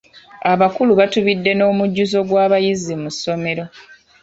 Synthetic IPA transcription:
aβakuluβatuβidːe̞no̞ːmuɟːuzo̞ɡwaːβajizimusːo̞me̞ɾo̞

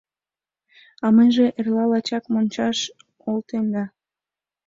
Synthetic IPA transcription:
ɑmejʒeʔerlɑlɑt͡ɕɑkmonʲt͡ɕɑʃ | olt̪end̪ɑ

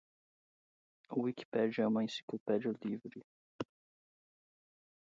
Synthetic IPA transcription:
ʊwiki̥pɛd͡ʒiɐũmɐẽsi̥klopɛd͡ʒiɐlivɾi

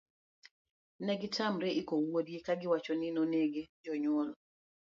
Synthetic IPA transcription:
nɛɡɪtʰamɾɛʔikowodjekaɡɪwat͡ʃɔnɪnoneɡed͡ʒɔɲwɔlɔ

